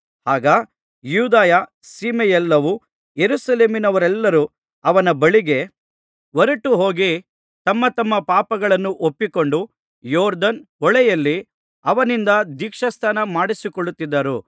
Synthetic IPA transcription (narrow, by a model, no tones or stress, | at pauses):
haːɡɐ | juːd̪aːjɐ | siːmɛjɛlːɐʋu | jeɾusɐle̞ːminɐʋɐɾɛlːɐɾu | ɐʋɐnɐbɐɭiɡe̞ | ʋɐɾɐʈːuɦo̞ːɡi | t̪ɐmːɐt̪ɐmːɐpaːpɐɡɐɭɐnːuʔopːiko̞ɳɖu | jɔːɾd̪ɐnɔɭɛjɐlːi | ɐʋɐnind̪ɐd̪ikʂɐst̪ʰɐnɐmaːɽisikoɭut̪ːid̪ːɐɾu